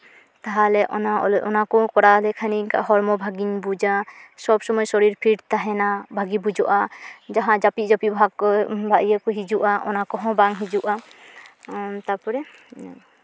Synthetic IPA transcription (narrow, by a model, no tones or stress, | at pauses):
t̪aɦalɛʔɔnaɔɔɔnakɔkɔɽalɛkʰaniŋka̰ʔɦɔɾmɔbʱaɡiɲbud͡ʒasɔbsɔmɔjsɔɾiɾpʰiɽt̪aɦɛnabʱaɡibud͡ʒɔʔad͡ʒaɦãd͡ʒapiʔd͡ʒapibʱaɡɔbʱaʔijakɔɦid͡ʒuʔaʔɔ̰nakɔɦɔ̃baŋɦid͡ʒuʔa | t̪apɔɾɛ